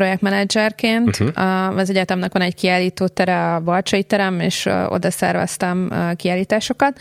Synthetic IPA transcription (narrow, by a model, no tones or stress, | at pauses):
pɾo̞jɛk̚t̪mɛnɛd͡ʒɛrkeːnt̪ɒzɛɟɛt̪ɛmnɛkʋɒnɛckiaːliːt̪oːt̪ɛɾɛɒbɒrt͡ʃɒjit̪ɛɾɛmḛːʃʔo̞̰d̪ɒsɛ̰rvɛ̰st̪ɛmkiaːlːiːt̪aːʃo̞kɒt̪̚